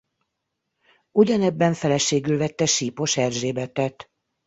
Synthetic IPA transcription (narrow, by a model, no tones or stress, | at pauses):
uɟɒnɛbːɛɱfɛlɛʃeːɡylvɛt̪ːɛʃiːpo̞ʃɛrzeːbɛt̪ɛt̪